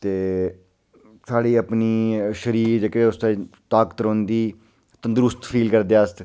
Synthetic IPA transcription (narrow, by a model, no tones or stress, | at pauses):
t̪eː | saːɽiːəpniːʃəɾiːɾd͡ʒeːkɽeːʊst̪eːt̪aːkət̪ɾõːnd̪iː | t̪ənd̪ɾʊst̪pʰiːlkəɾd̪eaːst̪